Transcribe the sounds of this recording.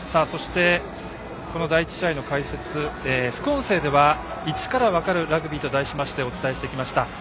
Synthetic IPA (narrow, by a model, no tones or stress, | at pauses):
saːso̞ɕi̥t̪e̞ | ko̞no̞d̪ait͡ɕi̥ɕaino̞kaise̞t͡sɨeːɸɯ̟̥kɯ̟õ̞ɰ̃se̞ːd̪e̞βa | it͡ɕi̥kaɾaβakaɾɯ̟ɾaɡɯ̟bʲiːt̪o̞d̪aiɕimaɕi̥t̪e̞o̞t͡sɨ̥t̪ae̞ɕi̥t̪e̞ikʲimaɕi̥t̪a